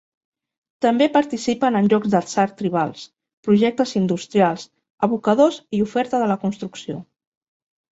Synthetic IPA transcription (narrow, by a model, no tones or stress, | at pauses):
t̪əmbepəɾt̪isipənənʲʒɔɡzðəsaɾt̪ɾiβ̞a̰lˠs | pɾuʒɛk̚t̪əzind̪ust̪ɾialˠs | əβ̞ukəðoziufɛɾt̪əðələkunst̪ɾuksio